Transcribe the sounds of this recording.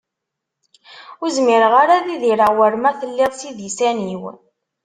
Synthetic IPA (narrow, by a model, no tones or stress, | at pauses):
ʊɾzmɪɾʁaɾaðiðiɾəwəɾmæθəlːɪʁˤsiðjisæniw